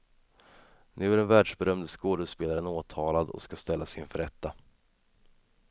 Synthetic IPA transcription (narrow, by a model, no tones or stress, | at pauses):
nʔʉ̟ːæɖɛnvæːɖʂbɛɾœmd̪skoːd̪əspeːlaɾənoːt̪ʰɑːlad̪ɔ̰skast̪ɛlːasɪnfœɾɛt̪ːa